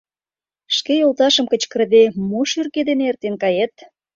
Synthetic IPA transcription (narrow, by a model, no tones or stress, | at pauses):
ʃkejolˠt̪ɑʃə̆mkə̆t͡ɕkə̆rd̪emoʃyrked̪enert̪enkɑjet̪̚